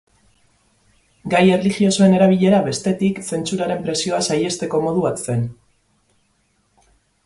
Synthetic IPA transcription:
ɡaje̞rlixio̞so̞e̞ne̞ɾaβ̞iʎe̞ɾaβe̞st̪e̞t̪ikse̞nt͡suɾaɾe̞mpɾe̞sio̞asaje̞st̪e̞ko̞mo̞ð̞uβat̪se̞n

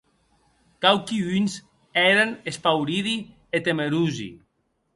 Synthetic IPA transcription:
kawkiyns | ɛɾanespawɾiði | et̪emeɾuzḭ

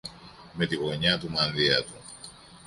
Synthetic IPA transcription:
me̞t̪iɣo̞ɲɐt̪umɐnðiɐt̪u

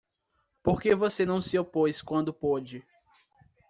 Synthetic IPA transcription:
poɾkevosenɐ̃w̃sɪopojskwɐ̃nd̪ʊpod͡ʒɪ

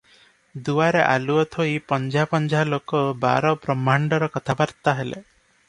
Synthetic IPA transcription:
d̪uaɾeʔa̰luɔt̪ʰoipɔnd͡ʒʱapɔnd͡ʒʱalokɔba̰ɾɔpɾɔmaɳɖɔɾɔkɔt̪ʰabaɾt̪aɦelḛ

